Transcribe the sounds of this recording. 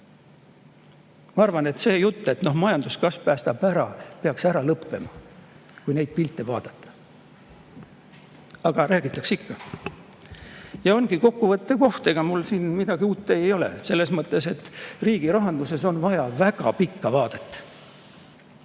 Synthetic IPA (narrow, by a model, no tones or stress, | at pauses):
mɑɑrvɑne̞t̪se̞ːjut̪ːe̞t̪no̞hmɑjɑnd̪uskɑspæːst̪ɑpæɾɑpe̞ɑksæɾɑlɤpːe̞̰mɑkujne̞jd̪̥̚pilt̪ːˑevɑːd̪̥ɑt̪ːˑɑ̥ | ɑɡ̥ɑɾæːɡ̥it̪ːˑɑksikːɑ | jɑo̞nɡ̥iko̞kːuvɤt̪ːˑeko̞ht̪e̞ɡ̥ɑmulsiːnmid̪̥ɑɡiuːt̪ˑːe̞jo̞lḛse̞lːe̞smɤt̪ˑːe̞se̞t̪ːriːɡ̥iɾɑɦɑnd̪use̞so̞nvɑjɑvæɡ̥ɑ̰pikːɑvɑːd̪̥et̪ˑːɑ̥